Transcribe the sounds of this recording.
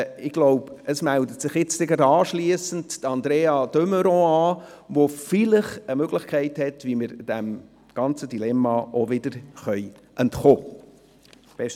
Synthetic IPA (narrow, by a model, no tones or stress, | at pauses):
ɪɡ̥loʊbəsmældətsɪχjɪt͡stɛɡɾɑdɑːʃliəsən̩ttəɑnd̪ɾeːɑd̥øməɾɔ̃ɑː | ʋofɪlɪχəmøɡ̥lɪχkʰɛɪthɛtʋiməɾd̥æm | ɡ̥ɑnt͡sədilɛmːɑʔoʋɪd̥əɾχœj | ʔɛntχoː | b̥ɛʃt